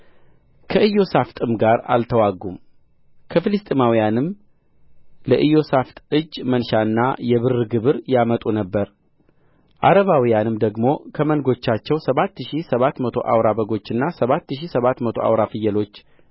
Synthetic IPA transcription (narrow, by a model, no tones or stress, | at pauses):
kʰəɨjo̞saft̪ʼɨmɡaɾa̰lt̪ʰəwaɡum | kʰəfɨlɨst̪ʼɪmawijanɨm | ləʔɨjːo̞saft̪ʼɨd͡ʒːmənʃaɨnːajɛβɨrːɨɡɨβɨɾjamət̪ʼunəbːəɾ | ʔaɾəβawijanɨmd̪əɡmo̞kʰəmənɡo̞t͡ʃːat͡ʃːɛwsəβat̪ːɨʃisəβat̪mət̪ʰo̞̰ʔa̰wɾabəɡo̞t͡ʃːɨnːasəβat̪ːɨʃisəβat̪mət̪ʰo̞a̰wɾafɨjːɛlo̞t͡ʃː